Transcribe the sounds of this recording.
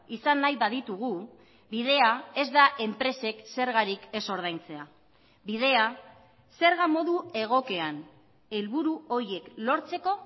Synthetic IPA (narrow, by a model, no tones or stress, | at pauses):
isanːajβaðit̪uɣ̞u | biðe̞ae̞zd̪aʔe̞mpɾe̞se̞kse̞ɾɣaɾike̞so̞ɾð̞ajnt͡se̞a | bið̞e̞a | se̞ɾɣamo̞ðue̞ɣ̞o̞ke̞an | e̞lβuɾuo̞ɾie̞klo̞ɾt͡se̞ko̞